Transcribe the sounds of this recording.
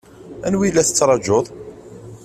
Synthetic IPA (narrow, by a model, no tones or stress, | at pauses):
ænwilːæθət͡sːɾˤɑd͡ʒoðˤ